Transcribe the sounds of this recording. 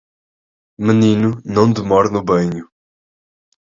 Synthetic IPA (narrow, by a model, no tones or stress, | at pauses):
mɨninunɐ̃w̃d̪ɨmɔɾnubɐɲu